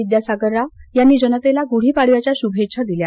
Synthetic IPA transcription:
id̪jasaɡəɾːajanːiːd͡ʑənət̪elaɡuɽ̤iːpaɽʋjat͡ɕjaɕubʱeɕʰad̪ilja

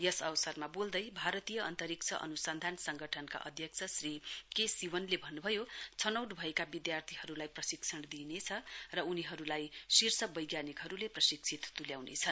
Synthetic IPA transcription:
jʌsʌwsʌrmabold̪ʌjbʱaɾʌt̪ijʌʌ̰nt̪ʌɾik̚t͡sʰʌʔʌ̰nusand̪ʱansʌŋɡʌʈʰʌnka̰ʔʌ̰d̪ʱjʌk̚t͡sʰʌsrikesiwʌnlebʱʌnːubʱʌjot͡sʰʌnʌwʈbʱʌekabid̪jart̪ʰiɦʌɾulajprʌsiksʰʌɳd̪inet͡sʰʌrʌuniɦʌɾulajsirsʌbʌjɡjanikɦʌɾuleprʌsiksʰit̪t̪uljawnḛt͡sʰʌn

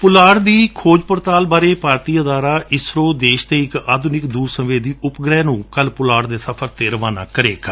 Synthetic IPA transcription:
pʊlaːɽd̪iːkʰoːd͡ʒpəɾt̪aːlbaːɾeːpaːɾt̪iːəd̪aːɾaːʔɪsɾoːd̪eːʃt̪eːɪkaːd̪ʊnɪkd̪uːɾsəʋeːd̪iːʊpɡɾɛːnũːkəlpʊlaːɽd̪eːsəpʰəɾt̪eːɾəʋaːna̰ːkəɾeːk

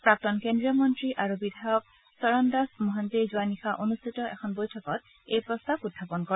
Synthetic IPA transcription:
pɹak̚tɔnkendɹiɔmɔntɹiʔaɹubidʱajɔk̚ | sɔɹɔndasmɔɦantiɹzuanixaʔonustʰitɔʔɛ̰xʰɔnbojtʰɔkɔt̚ | ejpɹɔstabudʱapɔnkɔ

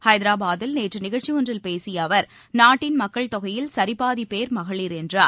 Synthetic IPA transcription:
hɐɪðɐɾaːbaːðɪlneːʈrɯnɪɣɐɻt͡ʃɪɔndrɪlpeːsɪjɐʋɐɾ | naːʈːɪnmɐkːɐɭt̪ɔɣɐjɪlsɐɾɪpːaːðipeːɾmɐɣɐɭiːɾɛndraːɾ

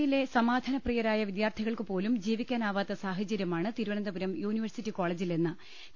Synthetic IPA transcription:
jile̞sɐmaːd̪ʱɐnɐprijɐɾaːjɐʋid̪jaːrt̪ʰiɣɐɭkɨpo̞ːlumd͡ʑiːʋikʲːaːnaːʋaːt̪ːɐsaːɦɐt͡ɕːɐɾjɐmaːɳɨt̪iɾuʋɐnɐnd̪ɐpuɾɐmjuːniʋɐrsitːiko̞ːɭeːd͡ʑilenːɨ

